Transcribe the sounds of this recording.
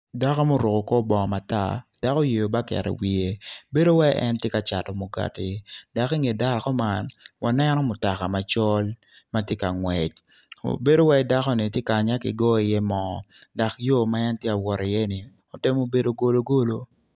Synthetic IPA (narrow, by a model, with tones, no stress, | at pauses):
da˦kɔ˦mo˦ɾo˨ko˨kɔ˦bɔ˨ma˨ta̰˦˨d̥a˨kɔ˦je˨jo˨ba˦kɛ̰˨ɾɛ̰˨wi˨e˦be˦do˦wɛ˦ʔɛ̰˦ntje˦ka˨t͡ʃa˨tɔ˨mo˨ɡa̰˨ti˨da˨ki˦ŋe˨da˦˨kɔ˦ma˦nwʔa˨nɛ˦nɔ˦mʊ˨ta˨ka˨ma˨t͡ʃɔ˦l | ma˦tje˦ka˨ŋwɛ˨t͡ʃ̚ | o̰˨be˦do˦wɛ˦da˦kɔ˦nɪ˨tje˦ka˨ɲa˦kɪ̰˨ɡɔ˦i˨jɛ˦mɔ˨da˨kjo˦ma˦ɛ˦ntje˦a˨wɔ˨ɾɪ˨jɛ˦nɪ˨ | ɔ˨tɪ˦mo˦be˦do˨˦ɡo˨lo˦ɡo˦lo˦